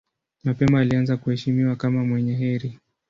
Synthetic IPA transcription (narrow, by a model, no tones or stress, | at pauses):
mapɛmaːlianzakuhɛʃimiwakamamwɛɲɛɦɛɾi